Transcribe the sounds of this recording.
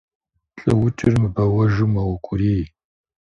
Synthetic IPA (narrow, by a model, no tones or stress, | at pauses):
ɬʼɐ̰wʊt͡ʃʼɪrmɨbɐwɐʒumɐwɐkʷʼʊɾiː